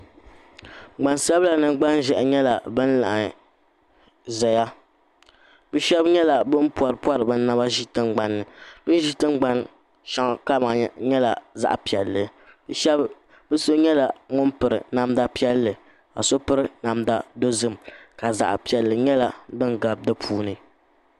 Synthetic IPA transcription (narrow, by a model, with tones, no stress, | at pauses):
ɡ͡ba˨nsa˦bla˨nɨ˨ŋɡ͡ba˦n˦ʒɛ˨ʔɲɛ˦la˨bɨ˦n̩˦la̰˨ʔa˨ | zɛ˨ja˦ | bɨ˦ʃɛ˦bɲɛ˦la˨bɨ˦m˦pu˨a˨ɾɨ˨pa˦ɾɨ˨bɨ˦n˦nːa˦ba˦ʒi˦tɨ˦ŋ͡mɡ͡ba˨nːɨ˨bɨ˦ʒi˦tɨ˦ŋ͡mɡ͡ba˦n | ʃa˦ŋ˨ka˦ma˨ɲɛ˦la˨za̰˨ʔpi˨ɛ˨lːɨ˨˦ | ɛ˦ | bɨ˦so˦ɲɛ˦la˨ŋʊ˦npɨ˨ɾɨ̰˨na˦mda˦pi˦ɛ˦lːɨ˨ | ka̰˨so˦pɨ˦ɾɨ˦na˨mda˦do˦zɨ˦m˨ka˨za̰˨ʔpi˨ɛ˨lːɨ˨ɲɛ˦la˨bɨ˦nɡa˨b̚dɨ˦pʰuː˦nɨ˨